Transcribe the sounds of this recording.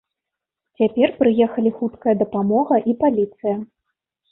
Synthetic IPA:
t͡sʲapʲɛrpɾɨjɛxɐlʲixut̪kɐjɐd̪ɐpamɔɣɐʔipalʲit̪sɨjɐ

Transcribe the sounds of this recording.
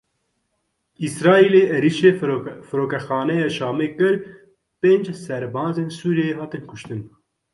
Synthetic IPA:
isɾɑːileːʔɛɾiːʃeːfɨɾoːkɛxɑːnɛjɑːʃɑːmeːkɨɾ | peːnd͡ʒsɛɾbɑːzeːnsuːɾijeɦɑːt̪ɨnkʰʊʃt̪ɨn

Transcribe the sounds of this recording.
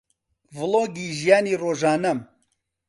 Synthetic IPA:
vɨloːɡiːʒijaːniːroːʒaːnɐm

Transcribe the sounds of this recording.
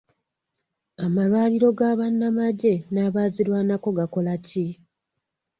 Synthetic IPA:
amalwaːliɾo̞ɡaβanːamaɟe̞naβaːziɾwaːnako̞ɡako̞laci

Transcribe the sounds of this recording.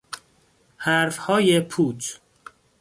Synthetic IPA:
hæɾfhɒːjepʰuːt̪ʰ

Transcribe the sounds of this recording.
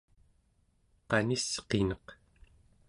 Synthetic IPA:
qɑnisqenʌq

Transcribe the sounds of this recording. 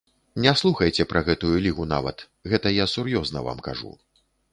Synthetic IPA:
nʲɛslˠuxɐjt͡sʲɛpɾɐɣɛt̪ujulʲiɣuna̰vɐ̰t̪ | ɣɛt̪ɐjasurjɔznɐ̰va̰mka̰ʐṵ

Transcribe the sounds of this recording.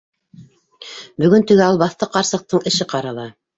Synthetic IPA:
bɵ̆ɡɵnt̪ɘ̆ɡæɑlˠbɑθt̪ɤqɑɾsɤ̆q̚t̪ɤɴɘ̆ʃɘqɑɾɑlˠɑ

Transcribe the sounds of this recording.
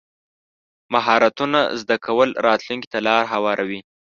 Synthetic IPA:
maɦɑɾat̪una̰zd̪akʰawəlɾɑt̪luŋki̥t̪alɑɾɦawɑɾʔawi

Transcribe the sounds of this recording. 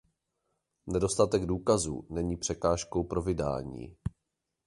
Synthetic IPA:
nɛdo̞st̪at̪ɛɡduːkazṵːnɛɲiːpr̝̥ɛkaːʃkowpɾo̞vɪda̰ːɲḭː

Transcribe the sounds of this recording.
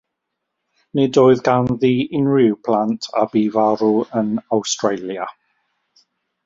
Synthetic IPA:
nedoːɨðɡanðiɪnrɪwpʰlˠantʰa̰biːvaɾuənawstɹejlˠja

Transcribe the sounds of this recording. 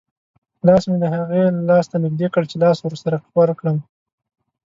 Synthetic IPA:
lɑsmed̪əɦaɣelɑst̪anɪɡd̪ekəɽt͡ʃelɑswɾsaɾawaɾkɽəm

